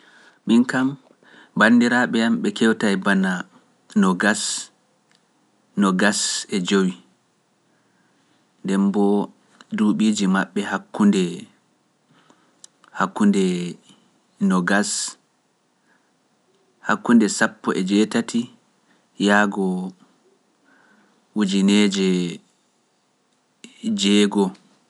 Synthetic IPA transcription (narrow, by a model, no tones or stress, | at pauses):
minkam | bandiɾaɓɛamɓɛkɛwtajbana | nɔɡas | nɔɡasɛd͡ʒowi | ndɛmbɔ | duːɓiːd͡ʒimaɓːɛhakːundɛ | hakːundɛ | nɔɡas | hakːundɛsapːɔʔɛd͡ʒɛːtatʰi | jaːɡɔ | wud͡ʒined͡ʒɛ | d͡ʒɛːɡɔ